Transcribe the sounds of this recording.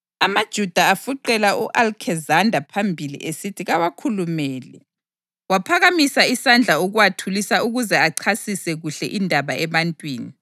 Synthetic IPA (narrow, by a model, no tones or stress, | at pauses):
amad̥ʒ̥ʱud̥ʱaafuǃɛlaʔuʔalkʰɛzandʱapʰambʱilḭʔesitʰiɣawakʰulumɛːlɛ̰ | wapʰaɣamisaisand͡ɮʱauɣuwatʰulisauɣuzɛaǀʰasisɛɣuɬɛʔindʱaβaɛβantʼwiːni